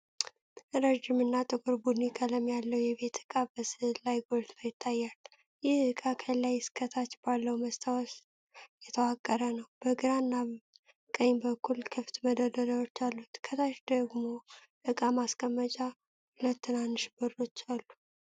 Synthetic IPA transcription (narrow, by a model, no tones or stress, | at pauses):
ɾəd͡ʒɪmɨnːat̪ʼɨɡʼuɾbunɪkʼələmjalːəwjɛβe̞t̪ɨ̥kʼabəsɨlajɡolt̪ʰajɪt̪ʰːajːalː | jɪhɨkʼakʰəlːajɪskʰət̪ʰat͡ʃbalːəwməst̪ʰawɔs | jɛt̪ʰəwakʼːəɾənəwb̥əɡɨɾanːa | kʼəɲːbəkːulkʰɨft̪məd̪əd̪ələwot͡ʃːalːut̪kʰət̪ʰaʃd̪əɡmo̞ | ʔɨkʼamaskʼəmːət͡ʃʼa | hulət̪ːɨnanːɨʃbəɾo̞t͡ʃːalːu